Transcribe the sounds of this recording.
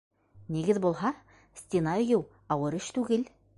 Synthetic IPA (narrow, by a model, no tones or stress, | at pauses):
niɡɘðbulˠɦɑ | sʲt̪ʲenɑɵ̆jɘw | ɑwɤɾɵʃt̪ʉɡɘl